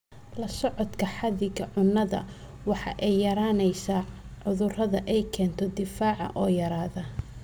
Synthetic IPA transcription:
lɐsɔʕɔd̪kʰɐħɑðɪɡɐʕʊnːɐðɐ̰ | wɑħɑ̰ʔɛjːɐɾaːnɛjsaːʕʊðʊrɐðɐʔɛjkʰɛːnt̪ʰɔd̪ɪfaːʕɑ̰ʔɔːjɐɾaːðɐ

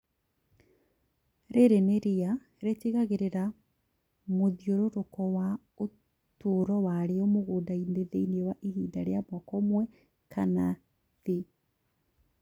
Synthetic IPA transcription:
ɾeɾeneɾea | ɾeteɣaɣeɾeɾa | moðioɾoɾokɔwa | o | toɾɔwaɾeɔmoɣoːdaineðeineewaʔihiːdaɾeamɔkɔmwɛ | kʰana | ðe

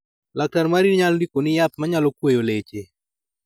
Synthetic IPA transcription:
lak̚taɾmaɾiɲaldikonɪjat̪̚maɲalɔkwejolet͡ʃe

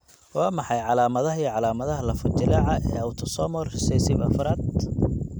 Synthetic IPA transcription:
wɑːmɑħɑjʕɑlaːmɐðɐɦɐijʕɑlaːmɐðɐɦɐlɐfɐt͡ʃ̪ɪlɐʕɐʔɛːɐwt̪ʰɔsɔːmɔrrɪsɛjsɪbɐfɾaːd̪̚

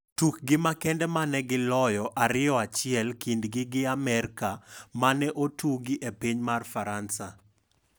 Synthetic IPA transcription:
tuk̚ɡɪmakɛndɛmanɛɡɪlɔjɔʔaɾɪɔat͡ʃɪɛlkindɡɪɡɪamɛrkamanɛʔotʰuɡɪʔepiɲmarfaɾansa

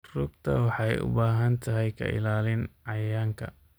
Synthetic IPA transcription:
rʊɡt̪ʰɐ̰wɑħɑjʊ̰baːɦɐnt̪ʰɐɦɛjkʰɐ̰ɪ̰laːlɪnʕɑjaːŋkʰɐ̰

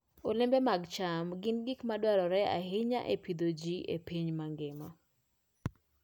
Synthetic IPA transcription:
olɪmbɛmaɡt͡ʃamɡɪnɡikmadwaɾɔɾɛa̰hɪɲa̰ʔepid̪od͡ʒiʔḛpiɲmaŋɡɪma

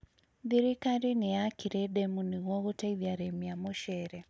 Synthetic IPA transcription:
diɾikaɾinijakʰiɾeɗemuniɣoɣutaiðjaɾemijamoʃeɾe

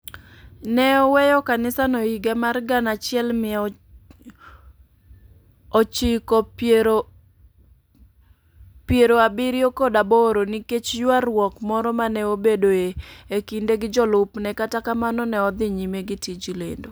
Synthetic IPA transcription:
nɛɔwɛjɔkanɪsanɔiɡemarɡanat͡ʃɪɛlmɪɛ | ot͡ʃɪkɔpeɾo | pjeɾoabɪɾiokodaboɾoniket͡ʃjwarwɔkmɔɾɔmanɛobedoeekindeɡɪd͡ʒɔlʊpnɛkatakamanɔnɛɔd̪ɪɲimeɡɪtid͡ʒilḛndo

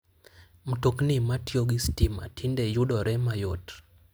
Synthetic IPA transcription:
m̩toknimatioɡistima̰tʰindɛjuɗɔɾʔɛmajot

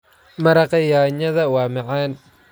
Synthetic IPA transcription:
mɐɾɐqɐjaːɲɐðɐwaːmɐʕaːn

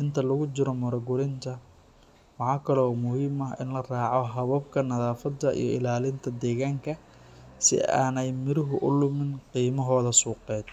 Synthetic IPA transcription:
ʔɪnt̪ʰɐlɐɣʊt͡ʃɪɾɔmʊɾɐɡʊɾɪnt̪ʰɐ | wɑħɑːkʰɐlɔːmʊhiːmɐɦɪ̰nlɐraːʕɔɦɐβɐb̚kʰɐnɐðaːfɐd̪ːɐʔḭjɔɪ̰laːlɪnt̪ʰɐd̪ɛːɣaːŋkʰɐ | sɪ̰a̰ːnɛjmɪɾɪɦʊʔʊlʊmɪnqiːmɐɦɔːðɐsuːqɛːd̪

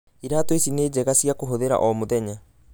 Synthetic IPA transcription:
iɾaːtwesineːd͡ʑɛɣasijakoɦoðeɾa̰ʔɔmoðɛɲa

